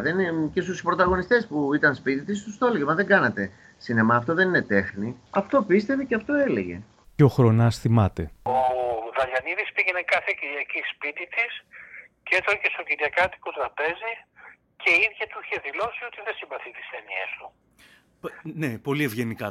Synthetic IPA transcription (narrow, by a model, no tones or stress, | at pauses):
ðence̞st̪uspɾo̞t̪ɐɣo̞nist̪e̞spuit̪ɐnspit̪it̪ist̪ust̪o̞loʝemɐðeŋɡɐnɐt̪e̞ | sinemɐːft̪oðe̞nine̞t̪e̞xniɐft̪o̞pist̪e̞veceɐft̪o̞e̞le̞ʝe̞̰ | ceo̞xɾo̞nɐsθimɐt̪eoðɐʎɐniðispiʝe̞nekɐθeciɾʝɐcispit̪it̪is | cet̪ɐce̞st̪o̞ciɾʝɐkɐt̪i̥kot̪ɾɐpe̞zi | ce̞iðʝɐt̪uiçe̞ðilo̞sio̞t̪iðesimbɐθit̪i̥sθeniḛst̪u | nepo̞lievʝe̞nikɐ